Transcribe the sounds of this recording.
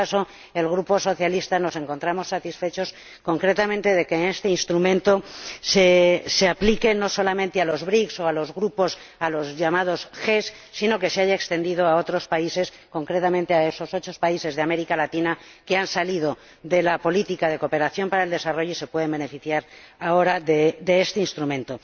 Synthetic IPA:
aso̞ | e̞lɣ̞ɾupo̞so̞θjalist̪ano̞se̞ŋko̞nt̪ɾamo̞sːat̪isfe̞t͡ʃo̞s | ko̞ŋkɾe̞t̪amẽnt̪e̞ðe̞ke̞ːne̞st̪einst̪ɾumẽ̞nt̪o̞seseaplike̞no̞so̞lamẽnt̪ealo̞zβɾikso̞alo̞zɣɾupo̞s | alo̞zʝamað̞o̞sxe̞sːino̞ke̞seaʝae̞kst̪end̪ið̞o̞ao̞t̪ɾo̞spaise̞s | ko̞ŋkɾe̞t̪amẽnt̪eae̞so̞so̞t͡ʃo̞spaise̞zðame̞ɾikalat̪ina | ke̞ansalið̞o̞ | ðe̞lapo̞lit̪ikaðe̞ko̞pe̞ɾaθjo̞mpaɾaeld̪e̞saro̞ʝoise̞pwe̞ð̞e̞mbe̞ne̞fiθjaɾaoɾaðed̪e̞est̪einst̪ɾumẽ̞nt̪o̞

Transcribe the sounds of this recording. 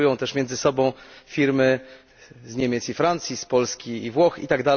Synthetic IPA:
ujɔ̃w̃t̪ɛʂmʲjɛnd̪zɘsɔbɔ̃w̃fʲiɾmɘ | zɲɛmʲjɛt̪sifɾant̪sʲjispɔlskʲiːvwɔxḭt̪aɡd̪a

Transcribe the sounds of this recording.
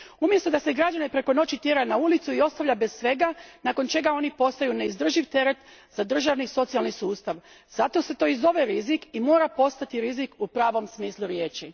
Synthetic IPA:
umje̞st̪o̞d̪ase̞ɡɾad͡ʒanepɾe̞ko̞no̞t͡ɕit̪jeɾanaulit̪suio̞st̪aʋʎʲabessʋe̞ɡanaːko̞nt͡ʃe̞ɡao̞nipo̞st̪ajune̞izd̪r̩ʒiʋt̪e̞ɾe̞t̪z̥ad̪r̩ʒaʋniso̞t̪sijalˠnisuːst̪aʋ | z̥at̪o̞se̞t̪o̞ːizo̞ʋe̞ɾizikimo̞ːɾapo̞st̪at̪iɾizikupɾaːʋo̞msmiːslˠuɾje̞ːt͡ʃi

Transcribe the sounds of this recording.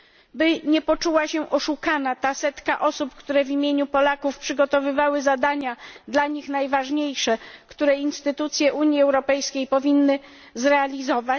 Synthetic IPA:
bɘɲɛpɔt͡ʂuwaɕɛʔɔʂukanat̪asɛt̪kaʔɔsupkt̪uɾɛvʲimʲjeɲupɔlakufpʂɘɡɔt̪ɔvɘvawɘzad̪aɲad̪laɲixnajvaʐɲejʂɛkt̪uɾɛinst̪ɘt̪ut̪sʲjɛʔuɲjiɛwɾɔpɛjskʲejpɔvʲinːɘ | zɾɛalʲizɔva

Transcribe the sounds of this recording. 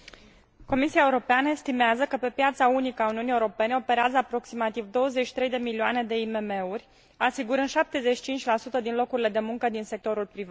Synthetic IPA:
ko̞misiaeuɾo̞peanəe̞st̪imeazəkəpe̞pjat̪saunikəauniunieuɾo̞pe̞ne̞o̞pe̞ɾeazəapɾo̞ksimat̪ivd̪o̞wəzet͡ʃi̥t̪ɾejd̪e̞milioane̞d̪e̞ime̞me̞urʲ | asiɡuɾɨnd̪ʃap̚t̪e̞ze̞t͡ʃi̥t͡ʃint͡ʃʲlasut̪əd̪inlo̞kuɾile̞d̪e̞muŋkəd̪inse̞k̚t̪o̞ɾulpɾiva

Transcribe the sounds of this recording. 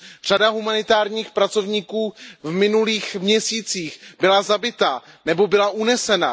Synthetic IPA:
r̝̥adaɦumanɪt̪aːɾɲiːxpɾat͡so̞vɲikuːvmɪnuliːxmɲɛsiːt͡siːxbɪlazabɪt̪a | nɛbo̞bɪlaʔunɛsɛna̰

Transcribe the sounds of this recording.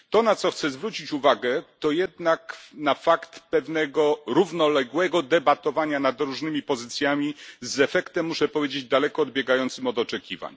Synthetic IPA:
t̪ɔnat̪sɔxt̪sɛzvɾut͡ɕit͡ɕuvaɡɛt̪ɔjɛd̪naknafakt̪pɛvnɛɡɔɾuvnɔlɛɡwɛɡɔd̪ɛbat̪ɔvaɲanad̪ɾuʐnɘmʲipɔzɘt̪sʲjamʲizɛfɛkt̪ɛmːuʂɛpɔvʲjed͡ʑed͡ʑd̪alɛkɔːd̪̚bʲjɛɡajɔnt̪sɘmɔd̪ɔt͡ʂɛkʲiva̰ɲ

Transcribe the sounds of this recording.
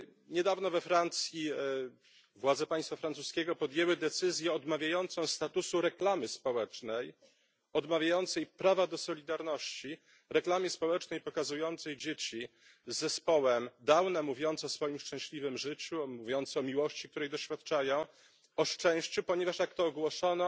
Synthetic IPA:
ɲɛd̪avnɔvɛfɾant̪sʲji | vwad̪zɛpaj̃st̪fafɾant̪suskʲɛɡɔpɔd̪ʲjɛwɘd̪ɛt̪sɘzʲjɛɔd̪mavʲjajɔnt̪sɔ̃w̃st̪at̪usuɾɛklamɘspɔwɛt͡ʂnɛj | ɔd̪mavʲjajɔnt̪sɛjpɾavad̪ɔsɔlʲid̪aɾnɔɕt͡ɕi | ɾɛklamʲjɛspɔwɛt͡ʂnɛjpɔkazujɔnt̪sɛjd͡ʑet͡ɕi | zːɛspɔwɛmd̪awnɛmuvʲjɔnt̪sɔsfɔjimʂt͡ʂɛ̃w̃ɕlʲivɘmʐɘt͡ɕumuvʲjɔnt̪sɛɔmʲiwɔɕt͡ɕik̚t̪uɾɛjd̪ɔɕfʲjat̪t͡ʂajɔ̃w̃ | ɔʂt͡ʂɛ̃w̃ɕt͡ɕupɔɲevaʂjakt̪ɔːɡwɔʂɔnɔ

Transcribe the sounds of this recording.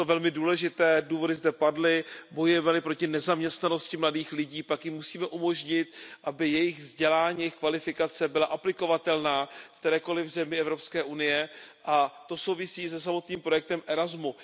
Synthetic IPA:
t̪ovɛlmɪduːlɛʒɪt̪ɛːduːvo̞dɪzdɛpadlɪbo̞jujɛmɛlɪpɾocɪnɛzamɲɛst̪nano̞scɪmladiːxlɪɟiːpakjɪmːusiːmɛʔumo̞ʒɲɪt̪ʔabɪjɛjɪɣvzɟɛlaːɲiːjɛjɪxkvalɪfɪkat͡sɛbɪlaʔaplɪko̞vat̪ɛlnaːkt̪ɛɾɛːko̞lɪvzɛmɪɛvɾo̞pskɛːʔunɪjɛʔat̪o̞so̞wvɪsiːs̬ɛs̬amo̞t̪niːmpɾo̞jɛk̚t̪ɛmʔɛɾazmu

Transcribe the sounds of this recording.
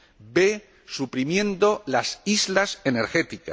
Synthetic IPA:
be̞ | supɾimjẽ̞nd̪o̞lasizlase̞ne̞ɾxe̞t̪ika̰

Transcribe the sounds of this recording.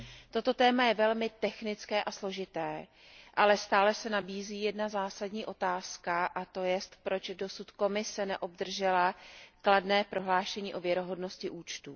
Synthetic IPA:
t̪o̞t̪o̞t̪ɛːmajɛvɛlmɪt̪ɛxnɪt͡skɛːʔaslo̞ʒɪt̪ɛː | ʔalɛst̪aːlɛsɛnabiːziːjɛdnazaːsadɲiːʔo̞t̪aːskaʔat̪o̞jɛst̪pɾo̞t͡ʃdo̞sut̪ko̞mɪsɛnɛʔo̞b̚d̪r̩ʒɛlakladnɛːpɾo̞ɦlaːʃɛɲiːʔo̞vjɛɾo̞ɦo̞dno̞scɪʔuːt͡ʃt̪uː

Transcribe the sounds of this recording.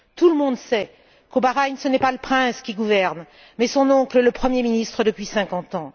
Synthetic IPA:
t̪uləmɔ̃d̪sɛ | kobaʁaɲsənɛpaləpχɛ̃skʲiɡuvɛʁn | mɛsɔ̃nɔ̃klələpχəmjeminist̪χəd̪əpɥisɛ̃kɑ̃t̪ɑ̃

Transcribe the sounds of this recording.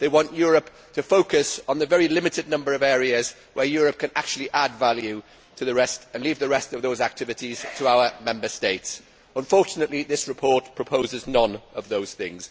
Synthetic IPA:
ðeɪwɒ̃nʔjɔːɹəp | tʰəfoʊkɨsn̩ðəvɛɹilɪ̃mɨtɨdⁿnʌ̃mbəɹʌvɛːɹiɨz | wəjɔːɹəp̚kʰɨ̃nak̚t͡ʃʉl̩ˠiʔadvaljʉ | tʰəðəɹɛstə̃nliːvðəɹɛstʌvðoʊzak̚tʰɪvɨtiz̥tʰəaʊəmɛ̃mbəsteɪts | ə̃ɱfɔɹt͡ʃənəʔliðɪsɹɨpʰɔɹtpʰɹ̥əpʰoʊzɪznə̃nəvðoʊz̥θɪ̰̃ŋz̥

